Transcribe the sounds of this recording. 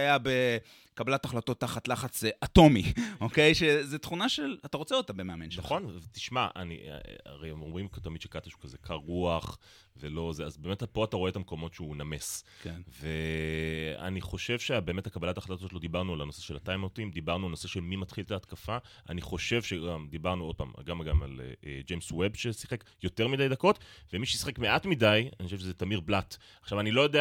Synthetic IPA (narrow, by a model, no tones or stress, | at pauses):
ajabe | kabalataχlato̞t̪ːaχatlaχat͡sʔato̞mioke̞jʃezet̪χunaʃelataʁot͡seot̪abemeamenʃnaχo̞nvet̪i̥ʃmaʔa̰nḭa̰ʁejomʁimkt̪amid̪ʃekat̪aʃu̥kaze̞kʰaʁːuaχ | velo̞zeazbeːmet̪apo̞at̪aʁo̞et̪ameko̞mo̞tʃeuname̞skenve | a̰niχo̞ʃe̞vʃeabeːmetakabalataːχadatazotlo̞d̪ibaʁnualano̞se̞ʃelhat̪ajmotimd̪ibaʁnualno̞se̞ʃe̞lmimat̪χilt̪aːt̪kafa | ʔa̰niχo̞ʃe̞vʃeɡamd̪ibaʁnuo̞d̚pa̰ːm̰ɡamɡama̰l̰ed͡ʒejmswebʃesiχe̞kjo̞t̪e̞ʁmid̪ajd̪ako̞tvemiʃeisḁχekme̞ʔatmidaja̰nixoʃeʃezet̪amiʁblat | aχʃavanilo̞jo̞d̪e